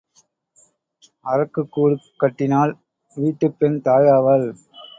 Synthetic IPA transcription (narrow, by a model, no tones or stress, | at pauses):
ɐɾɐkːɯkːuːɽɯkːɐʈːɪnaːl | ʋiːʈːɯpːɛnt̪aːjaːʋɐl